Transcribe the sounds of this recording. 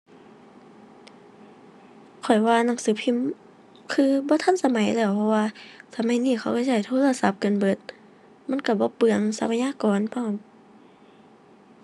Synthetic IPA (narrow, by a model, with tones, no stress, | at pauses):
kʰɔ˨˩jwaː˧na˧˩˦ŋsɯː˨˦pʰi˧˥˨m | kʰɯː˧bɔː˧˦t̪ʰa˧˥˨nsa˧ma˨˦jlɛː˧˩wpʰɔ˧waː˧sa˧˦ma˨˧˦jniː˧˩kʰa˧˩wka˧˩t͡ɕa˧˩jt̪ʰoː˧˥˨la˧˨sa˧˦p̚kɤ˧˨nbɤ˧˦t̪̚ | ma˧˥˨nka˧˩bɔː˧˦pɯ˧˩əŋsa˧˦pʰa˧jaː˧˥˨kɔː˨˦npʰɔ˧˩˨m